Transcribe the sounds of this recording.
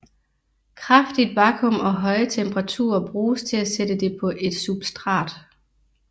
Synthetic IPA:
kʰʁɑfd̥id̥̚ʋɑ̈ːkʰɔmɒ̽ɦɒ̽ɪət͡sʰemb̥əʁɑ̈t͡sʰṵːɐb̥ʁuːst͡sʰe̝læsed̥əd̥e̝pʰɒ̽ʔe̝d̥sub̥sd̥ʁɑ̰̈ːd̥

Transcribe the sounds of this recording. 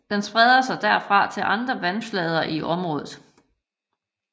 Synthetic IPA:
d̥ensb̥ʁɛð̞ˠɐsɑ̈ɪd̥æɐfʁɑ̈t͡sʰe̝lʔɑ̈nd̥ʁɐʋænflɛð̞ˠɐʔiʔɒ̽mʁɔ̽ːðˠð̩ˠ

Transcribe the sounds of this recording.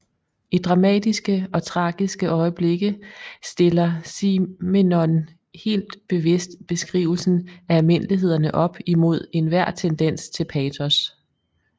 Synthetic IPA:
id̥ʁɑ̈mɛ̰ːd̥isɡ̥əɒ̽t͡sʰʁɑ̈ːɡ̥isɡ̥əʔɒ̽ɪəb̥le̝ɡ̥əsd̥e̝lɐsimenɔn | he̝̰ːld̥b̥e̝ʋe̝sd̥b̥e̝sɡ̥ʁḭːʊl̩sn̩æælme̝n̰liɦe̝ð̞̰ˠɐnəʔɒ̽b̥imo̝ð̞̰ˠe̝nʋæɐ̰t͡sʰend̥en̰st͡sʰe̝lpʰɛːt͡sʰɔs

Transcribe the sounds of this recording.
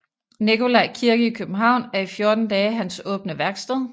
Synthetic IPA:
niko̝læɪkʰiɐɡ̥əikʰøb̥m̩ɦɑ̈ʊ̰næɐifjo̝ɐd̥n̩d̥ɛːɦænsɔ̽ːb̥nəʋæɐɡ̥sd̥ɛð̰ˠ

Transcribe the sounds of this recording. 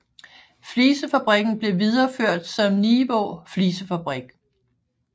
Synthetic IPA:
fliːsəfæb̥ʁiɡ̥n̩b̥le̝ʋið̞ˠɐføɐ̰d̥sɒ̽mniːʋɔfliːsəfæb̥ʁiɡ̥

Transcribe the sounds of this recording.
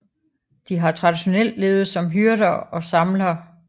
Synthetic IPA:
d̥iɦɑ̈t͡sʰʁɑ̈d̥iɕo̝nel̰d̥le̝ːʊð̞̩ˠsɒ̽mɦyɐɾɐːɒ̽sɑ̈mlɐː

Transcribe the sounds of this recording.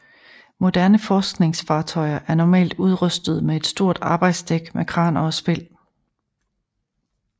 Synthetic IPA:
mo̝d̥æɐnəfɒːsɡ̥ne̝ŋsfɑ̈ːt͡sʰɒ̽ɪɐʔæɐnɒmɛ̰ːld̥uð̞ˠʁœsd̥əð̞̩ˠmee̝d̥sd̥o̝ɐ̰d̥ɑ̈ːb̥ɑ̈ɪd̥sd̥eɡ̥mʔekʰʁɑ̈ːnɒsb̥e̝l̰

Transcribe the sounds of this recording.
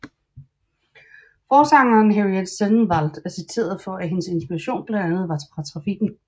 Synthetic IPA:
fɒːsɑ̈ŋ̰ɐːnɦæʁied̥senn̩ʋɑl̰d̥æsit͡sʰe̝̰ːɐð̞ˠfɒ̽æɦe̝nəse̝nsb̥iʁɑ̈ɕo̝̰ːnb̥lænænð̞̩ˠʋɑ̈t͡sfɑ̈t͡sʰʁɑ̈fiɡ̥n̩

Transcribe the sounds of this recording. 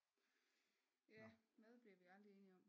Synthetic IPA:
jæmeð̞ˠb̥li̝ɐʋiɑ̈ld̥ʁie̝ːniɒ̽m̰

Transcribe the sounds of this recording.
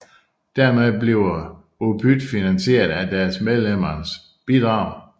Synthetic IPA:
d̥æɐmeðˠbleʊɐ | opʰyd̥finænse̝̰ːɐðˠæd̥æɐsmeð̞ˠlem̰ɐs | b̥id̥ʁɑ̈ʊ̰

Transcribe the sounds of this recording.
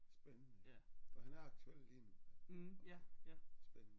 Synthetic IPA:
sb̥enənəɒhænæɐɑ̈ɡ̥̚t͡sʰuel̰lin | æjæsb̥enənə

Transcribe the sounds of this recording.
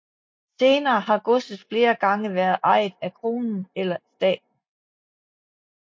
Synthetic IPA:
se̝ːnɐːɦɑ̈ɡ̥ɔsəsfle̝ːɐɡ̥ɑ̈ŋəʋæɐð̩ˠʔɑ̈ɪ̰ðˠækʰʁo̝ːnn̩elɐsd̥ɛ̰ːd̥̚n̩

